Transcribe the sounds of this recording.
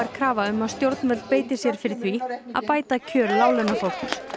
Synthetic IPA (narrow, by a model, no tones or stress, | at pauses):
aɾ̥kʰɾaːvaʏmːaðst̪jowɾt̪nvɛpeːjt̪ɪsjɛɾ̥fɪɾɪθvia̰ðpaːjt̪acʰœːɾlaːwlʏnafowkʏɾ